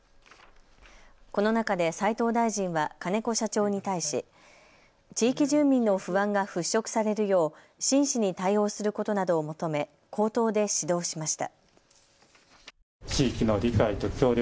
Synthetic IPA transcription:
ko̞no̞nakad̪e̞sait̪o̞ːd̪aiʑĩɰ̃βakane̞ko̞ɕat͡ɕo̞ːɲ̟it̪aiɕḭ | t͡ɕiːkʲiʑɨ̃mmʲĩnːo̞ɸɯ̟βãŋɡaɸɯ̟ɕːo̞kɯ̟̥saɾe̞ɾɯ̟jo̞ː | ɕĩɰ̃ɕiɲ̟it̪aio̞ːsɨɾɯ̟ko̞t̪o̞nad̪o̞ːmo̞t̪o̞me̞ | kʰo̞ːt̪o̞ːd̪e̞ɕid̪o̞ːɕimaɕi̥t̪a̰ | t͡ɕiːkʲino̞ɾʲikait̪o̞kʲo̞ːɾʲ

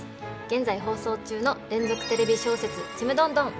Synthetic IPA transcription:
ɡ̥ẽ̞nd͡zaiɦo̞ːso̞ːt͡ɕɨːno̞ɾẽ̞nd͡zo̞kɯ̟̥t̪e̞ɾe̞bʲiɕo̞ːse̞t͡sɨt͡ɕimɯ̟d̪õ̞nd̪õ̞ŋ

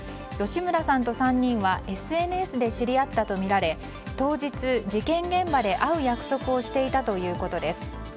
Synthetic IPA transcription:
jo̞ɕimɯ̟ɾasãnt̪o̞sãɲ̟ːĩɰ̃βaʔe̞sɨe̞nɯ̟e̞sɨd̪e̞ɕiɾʲiat̪ːat̪o̞mʲiɾaɾe̞ | t̪o̞ːʑit͡sɨd͡ʑikẽ̞ŋɡẽ̞mbad̪e̞ʔaɯ̟jakɯ̟̥so̞kɯ̟o̞ɕi̥t̪e̞it̪at̪o̞jɯ̟ːko̞t̪o̞d̪e̞sɨ̥

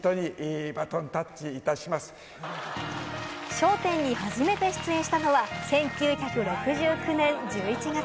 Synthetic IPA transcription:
t̪oɲiʔbat̪õnt̪at͡ɕiːt̪aɕimasɨ̥ | ɕo̞ːt̪ẽ̞ɲ̟ːiɦaʑime̞t̪e̞ɕi̥t͡sɨẽ̞ɕi̥t̪ano̞βasẽ̞ŋkʲɨːçʲakɯ̟ɾo̞kɯ̟ʑɨːkɯ̟nẽ̞ɲd͡ʑɨːit͡ɕiɡa

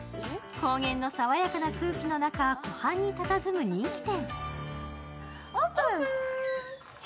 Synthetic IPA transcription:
ko̞ːɡẽ̞nːo̞saβajakanakɯ̟ːkʲino̞nakako̞hãɲ̟ːit̪at̪azɨmɯ̟ɲ̟ĩŋkʲi̥t̪ẽ̞ŋ | opɯ

